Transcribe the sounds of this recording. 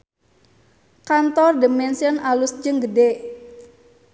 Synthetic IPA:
kant̪ɔrdəmɛnsiɔnʔalusd͡ʒɨŋɡədeʔ

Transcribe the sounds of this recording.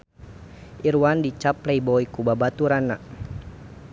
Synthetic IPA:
ʔiɾuwandit͡ʃaplɛibɔikubabat̪uɾana

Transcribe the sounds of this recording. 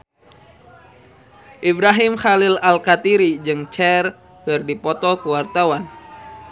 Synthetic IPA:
ʔibɾaɦɪmxalɪlalkat̪iɾid͡ʒɨŋt͡ʃɛr | pɨrdipɔt̪ɔkəwart̪awan

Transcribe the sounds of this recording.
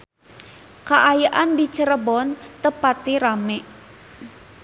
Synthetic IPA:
kaʔajaʔandit͡ʃəɾəbɔnt̪əpat̪iɾamɛʔ

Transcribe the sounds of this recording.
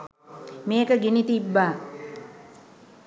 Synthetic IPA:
meːkəɡinit̪ibːaː

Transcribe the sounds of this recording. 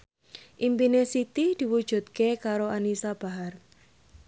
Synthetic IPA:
ʔimpinesit̪id̪̥i̤wud̥ʒ̥ṳt̪̚kekaɾoanisab̥a̤ɦar

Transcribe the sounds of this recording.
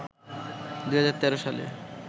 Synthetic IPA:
d̪uɦad͡ʑaɾt̪ɛɾoʃalḛ

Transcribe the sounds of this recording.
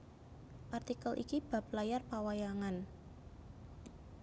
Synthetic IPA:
ʔart̪ikəlʔḭkib̥a̤p̚lajarpawajaŋan

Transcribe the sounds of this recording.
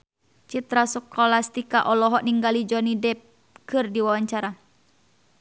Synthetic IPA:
t͡ʃit̪ɾasɔkɔlast̪ikaʔɔlɔɦɔʔniŋɡalid͡ʒɔnidɛp̚ | kɨrdiwawaɲt͡ʃaɾa

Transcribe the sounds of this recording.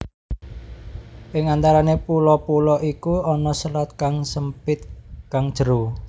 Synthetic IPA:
ʔɪŋant̪aɾanepulɔpulɔʔikuɔnɔsəlɔt̪̚kaŋsəmpɪt̪̚kaŋd̥ʒ̥əɾo

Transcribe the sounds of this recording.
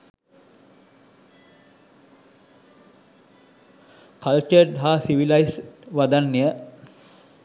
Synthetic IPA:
kalt͡ʃəɖɦaːsiʋilajsʋad̪anːijə

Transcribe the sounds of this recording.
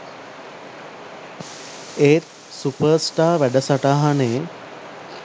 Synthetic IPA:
eːt̪̚ | supəɾsʈaːʋæɖəsaʈaɦane

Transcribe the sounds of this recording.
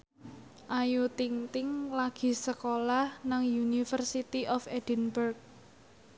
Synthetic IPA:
ʔajut̪iŋt̪ɪŋlaɡ̥i̤səkolahnaŋjunifərsit̪iʔɔfɛd̥ənbərk̚

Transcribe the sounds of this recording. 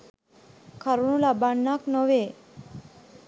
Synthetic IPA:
kʰaɾuɳ̃ulabaɳːaknɔʋe

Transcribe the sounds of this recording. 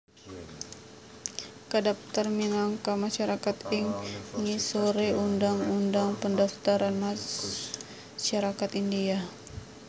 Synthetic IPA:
kədap̚t̪ərminaŋkamaʃaɾakat̪iŋŋisoɾeundaŋundaŋpəndaft̪aɾanma | ʃaɾakat̪india

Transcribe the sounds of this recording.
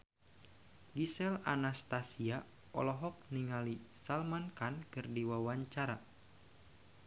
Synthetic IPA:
ɡisɛlanast̪asia | ɔ̰lɔɦɔk̚niŋalisalmankankɨrdiwawaɲt͡ʃaɾa

